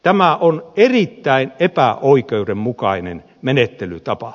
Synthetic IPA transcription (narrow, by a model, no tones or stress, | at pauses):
t̪æmæʔonerit̪ːæinepæʔoikeuɾemmukɑinḛn | menet̪ːelyt̪ɑpɑ